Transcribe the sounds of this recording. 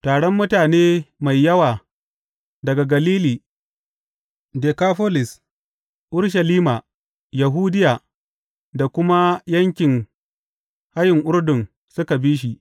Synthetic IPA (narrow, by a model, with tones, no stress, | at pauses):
taː˨ɽɔ˦mːʊ˦taː˨neː˦ma˨jːɐ˦waː˨ | dɐ˨ɡa˨ɡɐ˨liː˦liː˨ | deː˨kaː˦ɸoː˦lɪ˨s | ʔʊ˦ɽʃ̬ɐ˨liː˦ma˨ | ja˨ɦuː˦dɪ˦jaː˨ | da˨kʷʊ˦ma˦jɐ˦ŋkʲɪ˨ŋ | ha˦jɪ˨ŋʔʊ˦rdʊ˨ŋ | sʊ˦ka˨biː˦ʃ̬i˨ʔ